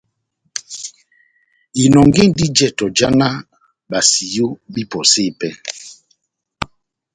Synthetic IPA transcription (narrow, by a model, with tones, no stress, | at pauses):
i˨nɔ˨ŋɡe˦˨n˦di˦d͡ʒɛ˦˨tɔ˨d͡ʒa˦na˦ | ba˨si˨jo˦bi˦pɔ˨se˦˨pɛ˦